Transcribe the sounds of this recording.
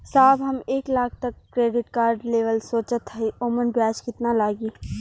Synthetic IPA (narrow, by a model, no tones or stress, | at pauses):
saːbɦɐmeːklaːkʰt̪ɐkːɾeːɖɪʈkaːɾɖleːʋəlsoːt͡ʃət̪ɦəioːmənbjaːd͡ʒkɪt̪nalaːɡiː